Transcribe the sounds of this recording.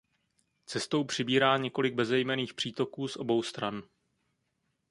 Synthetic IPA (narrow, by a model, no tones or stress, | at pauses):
t͡sɛst̪o̞wpr̥ɪbiːɾaːɲɛko̞lɪɡ̚bɛzɛjmɛniːxpr̝̥iːt̪o̞kuːsʔo̞̰bo̞wst̪ɾan